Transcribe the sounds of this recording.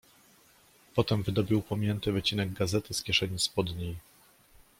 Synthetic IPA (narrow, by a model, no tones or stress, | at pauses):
pɔt̪ɛmvɘd̪ɔbʲiwpɔmʲjɛnt̪ɘvɘt͡ɕinɛɡɡazɛt̪ɘskʲjɛʂɛɲispɔd̪ɲej